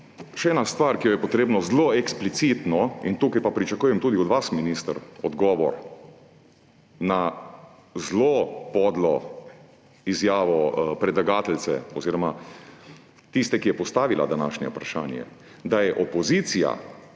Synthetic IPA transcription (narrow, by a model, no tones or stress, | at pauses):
ʃɛɛːnast̪ʋaɾkijɔjɛpɔt̪ɾeːbnɔzloɛksplit̪sit̪nɔint̪uːkajpapɾit͡ʃakuːjɛmt̪uːd̪iɔd̪ʋasminist̪əɾɔd̪ɡɔːʋɔ̰ɾ | na | zlopɔd̪lɔ | izjaːʋɔpɾɛd̪laɡaːt̪ɛlsɛ̰ɔziːɾɔma | t̪ist̪ɛkijɛpɔst̪aːʋila̰d̪anaːʃnʲɛ̰upɾaʃaːnjɛ̰ | d̪ajɛʔɔpɔzit̪sija̰